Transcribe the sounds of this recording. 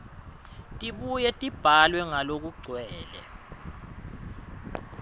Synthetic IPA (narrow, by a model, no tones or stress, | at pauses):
tʼiɓujɛtʼib̥ʱalwɛŋalok̬uɡ͡ǀʱwɛːlɛ̰